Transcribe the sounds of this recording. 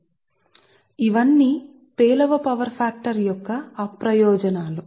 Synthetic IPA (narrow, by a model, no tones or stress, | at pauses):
iʋɐnːiː | peːlɐʋɐpɐʋɐɾpʰaːk̚ʈɐɾjɔkːɐːpɾɐjɔːd͡ʒɐnaːlu